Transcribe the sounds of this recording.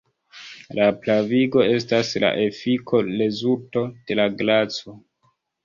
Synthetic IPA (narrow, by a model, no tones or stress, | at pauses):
laplaviɡo̞e̞s̬tasla̰ʔe̞fikʰo̞lezulto̞d̥e̞laɡlat͡so